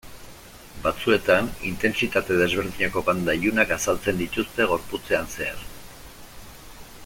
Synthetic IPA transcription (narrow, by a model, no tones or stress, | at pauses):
bat͡sue̞t̪anḭnt̪e̞nsit̪at̪e̞ð̞e̞zβ̞e̞ɾð̞iɲako̞βand̪ajunakasalt͡se̞nd̪it̪ust̪e̞ɣ̞o̞ɾput͡se̞anse̞a̰ɾ